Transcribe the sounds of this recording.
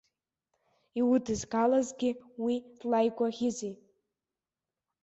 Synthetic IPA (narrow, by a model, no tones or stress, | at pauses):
iwʊdɨzɡalazɡʲɪwid̥lajɡʷʼaʁʲɪzij